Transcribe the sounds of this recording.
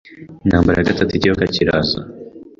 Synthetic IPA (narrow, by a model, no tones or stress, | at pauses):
naːmbaɾejaɡatatuicijokaciɾaːza̰